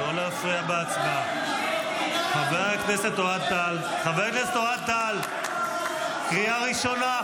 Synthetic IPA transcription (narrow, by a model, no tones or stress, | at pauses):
olaofeabeat͡sma | χaveʁekneset̪oad̪̚t̪al | χaveʁknesetoat̪̚t̪al | kʁiaʁiʃo̞na